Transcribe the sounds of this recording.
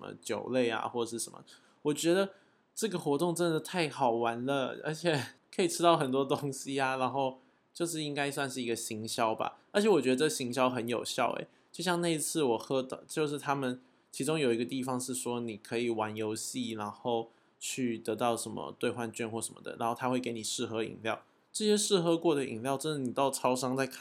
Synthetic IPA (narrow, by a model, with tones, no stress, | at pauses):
ə˦mə̰˧t͡ɕjo˨˩ʊle˥˩ɪa̰˩xwɔ˥˩ʂɻ̩˥˩ʂə˧˦nmə̰˨˩ | wɔ˨˩t͡ɕɥɛ˧˥d̪ə˨ | ʈ͡ʂɤ˥˩ɡə˩xwɔ˧˥t̪ʊ˥˧ŋʈ͡ʂə˥nd̪ə˩t̪ʰa˥˩ɪxɑ˨˩ʊwa˧˥nlə˧ə̰˞˧˥t͡ɕʰjɛ˨˩kʰɤ˧˥i˨˩ʈ͡ʂʰɻ̩˥t̪ɑ˥˩ʊxə˨˩nt̪wɔ˥t̪o˥ŋɕi˥a˨ɻa˧˥nxo˥˧ʊ | t͡ɕjo˥˧ʊʂ̬ɻ̩˥˩i˥ŋka˥ɪswa˥˧nʂɻ̩˥˩i˧˥ɡə˧ɕi˧˥ŋɕjɑ˥ʊba̰˨ə˞˧˥t͡ɕʰjɛ˧˥wɔ˨˩t͡ɕɥɛ˧˥d̪ə˧ʈ͡ʂɡə˩ɕi˧˥ŋɕjɑ˥ʊxə˧˥njo˨˩ʊɕjɑ˥˩ʊḛ˩ɪt͡ɕjo˥˧ʊɕjɑ˥˧ŋna˥˧i˧t͡sʰɹ̩˥˩wɔ˨˩xɤ˥t̪ɑ˨˩t͡ɕjo˥˧ʊʂ̬ɻ̩˥˩t̪ʰa˥mə˨n | t͡ɕʰi˧˥ʈ͡ʂʊ˥ŋjo˨ʊi˧˥ɡə˧t̪i˥˩fɑ˨˩ŋʂɻ̩˥˩ʂwɔ˥ni˨˩kʰɤ˧˥i˨˩wa˧˥njo˧˥ʊɕi˥˩na˧˥nxo˥˧ʊ | t͡ɕʰy˥˩t̪ɤ˧˥t̪ɑ˥˩ʊʂə˧˥nmə̰˧t̪we˥˧ɪxwa˥˧nt͡ɕɥɛ˥˧nxwɔ˥˩ʂə˧˦mə̰˩d̪ə̰˩ɻa˧˥nxo˥˩t̪ʰa˥xwe˥˩ɪke˧˥ɪni˨˩ʂɻ̩˥˩xɤ˧˥ḭ˨˩ŋljɑ˥˩ʊ | ʈ͡ʂɤ˥˩ɕjɛ˥ʂɻ̩˥˩xɤ˧˥kwɔ˥˩d̪ə˩ḭ˨˩ŋljɑ˥˧ʊʈ͡ʂə˥ʂ̩˨˩ni˨˩t̪ɑ˥˩ʊʈ͡ʂʰɑ˥ʊʂɑ˥ŋt͡sa˥˧ɪkʰ